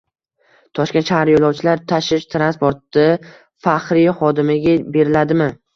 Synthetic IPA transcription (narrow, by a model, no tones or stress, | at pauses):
t̪ʰɒʃkʲenʃahaɾjolˠɒwt͡ʃʰɪlaɾt̪ʰaʃɪʃt̪ʰɾanspoɾt̪ːɪ | fahɾɪjχɒd̪ɪmɪɡʲabe̞ɾɪlad̪ɪmɪ